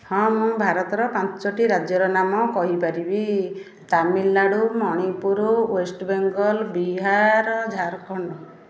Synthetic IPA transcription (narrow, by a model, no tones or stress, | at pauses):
hɔ̃mũbʱaɾɔt̪ɔɾɔpant͡ʃɔʈiɾad͡ʒjɔɾɔnamɔkɔɦipaɾibi | t̪amilːaɽumɔɽ̃ipuɾɔwesʈbeŋɡɔlbiɦaɾɔd͡ʒʱaɾkɔɳɖɔ